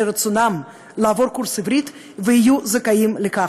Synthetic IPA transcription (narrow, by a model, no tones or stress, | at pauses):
eɾat͡sonam | laavoɾkuɾsivɾit̪ | veijuzekajimleka